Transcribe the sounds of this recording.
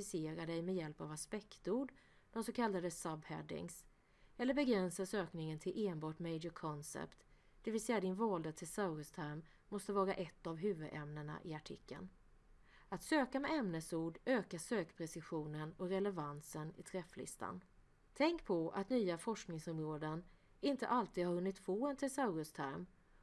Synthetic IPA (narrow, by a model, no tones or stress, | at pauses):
ɪseːɾad̪ɛjmɛjɛlpavaspɛkt̪uːɖ | d̪̥ɔmsɔkʰalːad̪əsabhɛ̰d̪ɪ̰ŋs | ɛlːəɾbɛɡɾɛnsasøːknɪŋənt̪ʰɪlʔeːnbɑːʈmɛjd͡ʒəkʰɔnsɛ̰pt̪ | d̪̥ɛvɪsɛjad̪ɪnvɑːld̪at̪ʰɪlsaʊɾəst̪ʰæɾmː | ɔst̪əvɑːɾa̰ʔɛt̪ːavɦʉ̟ːvɵd̪ɛmnəɳa̰ʔɪaʈʰɪ̰kːə̰n | at̪søːkamɛɛmnəsuːɖøːkaʂøːkpʰɾɛsɪɧuːnənɔkɾɛlɛvansənɪ̰t̪ʰɾɛflɪ̰st̪ʰa̰n | t̪ʰɛŋkpʰɔʔa̰t̪nyːafɔʂknɪŋsɔmɾoːd̪ən | ɪnt̪əʔalt̪ʰiːd̪haɾhɵnːɪt̪foːɛnt̪ʰɛsaɾəst̪ʰæɾm